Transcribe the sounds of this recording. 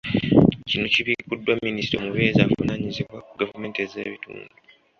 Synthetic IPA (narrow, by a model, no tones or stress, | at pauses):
cinociβikudːwamːinisi̥tomuβeːzaːfanaɲizeβwauɡavume̞ːnteze̞̰ːβitṵːndu